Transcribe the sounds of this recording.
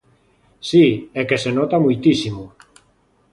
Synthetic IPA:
siɛkesenɔt̪amujt̪isimʊ

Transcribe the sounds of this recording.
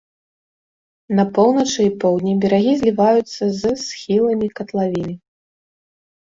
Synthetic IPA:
nɐpɔwˠnɐt͡ʂɨipɔwd̪ʲnʲibʲɛɾaɣʲizʲlʲivajut̪sːɐzɨsxʲilˠɐmʲikɐt̪lˠavʲinɨ

